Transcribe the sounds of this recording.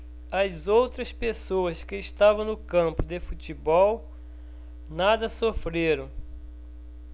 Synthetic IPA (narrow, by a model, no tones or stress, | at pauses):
ɐzowt̪ɾɐspesoɐskɪːst̪avɐ̃w̃nʊkɐ̃mpʊd̪efut͡ʃibɔw | nad̪ɐsofɾeɾɐ̃w̃